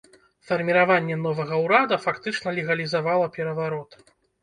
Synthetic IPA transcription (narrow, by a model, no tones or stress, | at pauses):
fɐrmʲiɾavanʲːɛnɔvɐɣɐwɾad̪ɐfakt̪ɨt͡ʂnɐlʲɛɣɐlʲizavalˠɐpʲɛɾɐvaɾɔt̪